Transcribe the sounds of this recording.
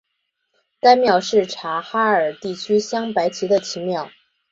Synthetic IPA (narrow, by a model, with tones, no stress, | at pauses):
t̪a˥ɪmjɑ˥˩ʊʂɻ̩˥˩ʈ͡ʂʰa˧˥xa˥ə˞˨˩t̪i˥˩t͡ɕʰy˥ɕjɑ˥ŋpa˧˥ɪt͡ɕʰi˧˥d̪ə˧t͡ɕʰi˧˥mjɑ˥˩ʊ